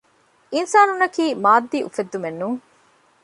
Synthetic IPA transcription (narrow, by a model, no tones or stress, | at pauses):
insaːnunɐkiːmaːd̪ːiːʔufed̪ːumenːuŋ